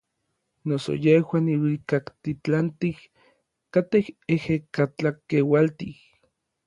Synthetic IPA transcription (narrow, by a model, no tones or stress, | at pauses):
noso̰jehwaniwikakt̪it͡ɬant̪ih | kat̪ehehekat͡ɬakewalt̪ih